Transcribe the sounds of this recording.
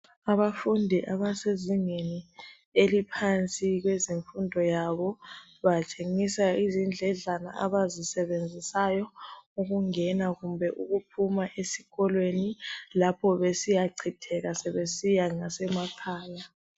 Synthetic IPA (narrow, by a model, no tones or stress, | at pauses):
aβafundʱiʔaβaseziŋeni | elipʰant͡sʼiɣwɛziɱfundʱɔjaβɔ | βat͡ʃʼeŋisaizind͡ɮʱɛɮana̰ʔaβazisɛβend͡zʱisajɔuɣuŋɛnaɣumbʱɛʔuɣupʰumaʔesi̥ɣɔlwenilapʰɔβesijaǀʰitʰɛɣasɛβesijaŋasɛmakʰaːla